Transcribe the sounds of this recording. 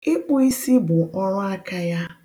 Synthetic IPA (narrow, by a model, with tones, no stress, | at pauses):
ɪ˦k͡pʊ˦i˦si˦bʊ˨ʔɔ˦ɾʊ˦a˦ka˦ja˦